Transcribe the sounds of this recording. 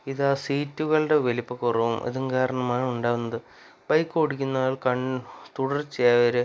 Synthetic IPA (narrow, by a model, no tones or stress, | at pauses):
iðaːsiːtːuɣɐɭɖeʋelipːɐkurɐʋumʔɐ̰ðuŋkaːɾɐɳɐmaːɳɨuɳɖaːʋunːɐðɨ | bɐjkːɨkoɽikʲːunːaːɭkɐɳt̪uɽɐrt͡ɕejaːʋɐɾe